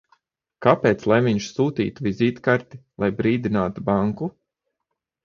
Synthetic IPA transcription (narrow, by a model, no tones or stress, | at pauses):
kapʲeːt̪slˠajviɲʃsuːt̪ḭːt̪uvʲizʲiːt̪kaɾt̪ilˠajbɾiːd̪inaːt̪ubaŋku